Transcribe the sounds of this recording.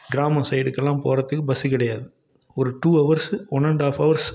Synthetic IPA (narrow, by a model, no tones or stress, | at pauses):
ɡɾaːmɐsɐɪɽɯkːɛlːãːmpoːɾɐt̪ːɯkːɯbɐsikɪɽɐjaːðɯ | ɔɾɯʈuːɐʋɐɾswɔnɛɳɖaːfɐʋɐɾs